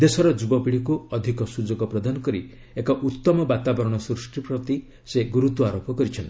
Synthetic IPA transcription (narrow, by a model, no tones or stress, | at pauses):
d̪esɔɾɔd͡ʒubɔpiɭikuɔd̪ʱikɔsud͡ʒɔɡɔpɾɔd̪ʱanɔkɔɾi | ekɔʔut̪ːɔmɔbat̪abɔɾɔɽ̃ɔsɾusʈɾipɾɔt̪i | seɡuɾut̪uaɾopɔkɔɾit͡ʃʰɔnt̪i